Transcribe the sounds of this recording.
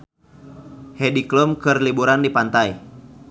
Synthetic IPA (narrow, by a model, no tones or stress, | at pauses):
hɛdikləmkɨrlibuɾandipant̪aj